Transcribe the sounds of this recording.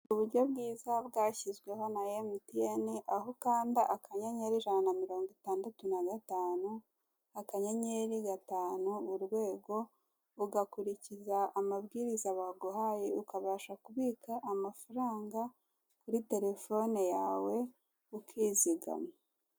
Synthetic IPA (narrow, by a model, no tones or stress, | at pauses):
uβuɾɟo̞bɡiːzabɡaːçizɡwe̞ɦo̞najemitijeniʔaɦo̞kaːndiʔakaɲaɲeɾiʒananamiɾo̞ːŋɡitaːndatunaɡataːnu | akaɲaɲeɾiɡataːnuuɾɡwe̞ːɡo̞ː | ɡakuɾicizaːmabɡiːɾizaβaɡohaːjeukaβaʃakuβiːkʰaʔːmafaɾaːŋɡa | kuɾite̞ɾe̞fo̞nejaːwe̞ | ukʰiːziɡa̰me